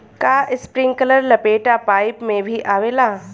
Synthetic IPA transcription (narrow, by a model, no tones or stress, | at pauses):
kaːʔɪspɾɪ̃ŋɡkələɾlɐpeːʈapaːɪpmẽbʱiʔaːʋeːlaː